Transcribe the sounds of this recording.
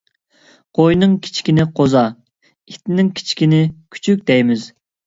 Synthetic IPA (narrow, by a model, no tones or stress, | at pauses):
qojnɨŋkʲʰi̥t͡ʃʰi̥kʲinɪqʰozɑ | it̪ɪnɪŋkʲʰi̥t͡ʃʰi̥kʲinɪkʲʰy̥t͡ʃʰyk̚ʲd̪̥ɛjmɪz